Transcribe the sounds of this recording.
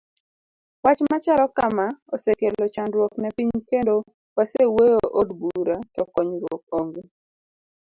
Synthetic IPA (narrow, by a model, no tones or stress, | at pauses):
wat͡ʃmat͡ʃalɔkamaɔsekelɔt͡ʃandɾwɔknɛpiɲkendo | wasewejoʔodbuɾatɔkɔɲɾwok̚oŋɡe